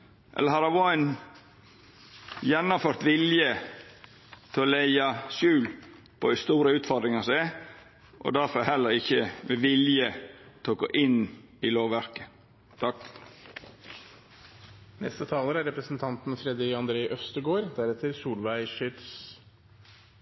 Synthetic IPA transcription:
ʔɛ̰ləɦɑɾɑʋɔæn | jɛnːɔmføːɾt̪ʋɪljə | t̪ʰɛɔlæɪɑsʉːl | pʰɔɪst̪uːɾəʉːt̪fɔɾd̪ɾɪŋɑsæ | ʔɔ̰d̪æɾfɔɾhɛlːəɾɪçːəmɛʋɪljət̪ʰɛɔɡo̰ːʔɪn | ɪloːʋʋæɾkə̥ | t̪ʰɑk | nɛ̰st̪ət̪ʰɑːləɾæɾɛpɾəsnt̪ʰɑnt̪n̩fɾɛd̪ɪɡɑnd̪ɾeːʔœst̪əɡoːɾd̪æɾɛt̪ʰːəɾsuːlʋæɪʃʏt̪s

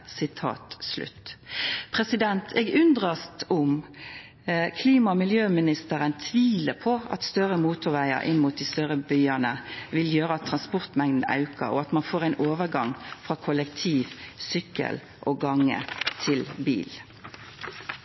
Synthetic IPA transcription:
sɪt̪ʰɑ̰ːt̪slʉ̰t̪ːpʰʁɛsɪd̪ɛnt̪ʰɛːɡʉnd̪ʁɑst̪ʊm | kʰliːmɑmɪljøːmɪnɪst̪əɾənt̪ʰʋiːləpʰɔɑ̰t̪st̪œʁəmuːt̪ʊɾʋæɪə̰ɾʔɪ̰nmʊt̪̚d̪ist̪œʁəbʏʏɑnəʋɪljøːɾəɑt̪ʰːʁɑnspʊʁt̪mɛŋd̪n̩ɑ̰ʉkə̰ɾɔ̰ɑt̪mɑnfoːʁɛɪnʔoːʋəʁɡɑŋfʁɑːkʰɔlɛkt̪ʰiːʋsʏkːə̰l | ʔɔɡɑŋːə̰t̪ʰɪlbḭːl

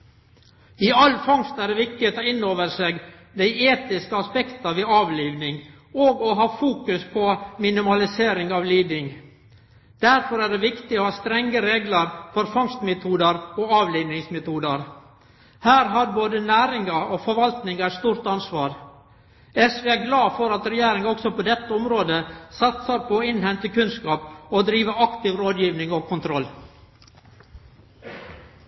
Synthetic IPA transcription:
ɪɑlfɑŋst̪æɖɛʋɪk̚t̪ɪheːt̪ɔɪnːoːʋəɾseːɡ | d̪æɪeːt̪ɪskəɑspɛkt̪ɑʋɪɑːʋliːʋnɪŋ | oːɡɔɦɑːfuːkʉspʰɔmɪnɪmɑlɪseːɾɪŋɑʋliːd̪ɪŋ | d̪̥æɾfɔɾæːɖɛʋɪkt̪ɪoːhɑːst̪ɾɛŋːəɾeːɡləɾfɔɾfɑŋst̪mɛt̪ʰuːd̪əɾɔːɑːʋliːnɪŋsmɛt̪ʰuːd̪əɾ | hæːɾɦɑɾboːd̪ənæːɾɪŋɑoːfɔɾʋɑlt̪nɪŋæɪst̪uːɾt̪ɑnsʋɑːɾ | ɛsʋeːæɾɡlɑːfɔɾɑt̪ɾɛjæːɾɪŋɔksɔpɔd̪ɛt̪ːəɔmɾoːd̪əsɑt̪səɾpʰɔːɪnhɛnt̪əkʉnskɑːpod̪ɾiːʋəɑkt̪ɪʋɾoːd̪jiːʋnɪŋoːkʰʊnt̪ʰɾɔlː

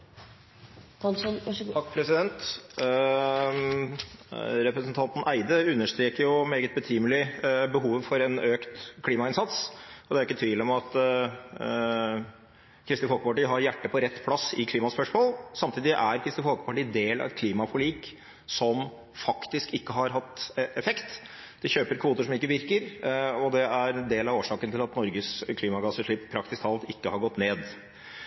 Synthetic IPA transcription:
ɑkːpʰɾɛsɪd̪ɛnt̪ | ɾɛpɾəsənt̪ʰɑnt̪n̩ʔæɪd̪əʉnːəʂt̪ɾeːkəɾjʊmeːɡət̪̚bət̪ʰiːməlɪbəɦuːʋfɔɾɛnøːkt̪kʰliːmɑɪnsɑt̪sɔd̪ɛæɾʊɪkːət̪ʰʋiːlɔmɑt̪ | kʰɾɪst̪ɪfɔlkəpɑʈiːɦɑɾjæʈːəpʰɔɾɛt̪ːpʰlɑsɪkʰliːmɑspœʂmoːlsɑmt̪ʰiːd̪ɪʔæɾkʰɾɪst̪ɪfhɔkəpɑʈɪd̪eːlɑ̰ʋɛt̪̚kʰliːmɑfɔɭiːk | sɔm | fɑkt̪ɪskɪkːəɦɑɾɦɑt̪ːɛfɛkt̪ | d̪̥ɛçøːpəɾkʰʋuːt̪əʂɔmɪkːəʋɪɾkəɾɔd̪ɛæɾɛnd̪eːlɑʋoːʂɑːkənt̪ʰɪlɑt̪nɔɾɡəskʰliːmɑɡɑsəʂɭɪpːpʰːɾɑkt̪ɪst̪ʰɑːlt̪ɪkːəhɑɾɡɔt̪ːneːd̪

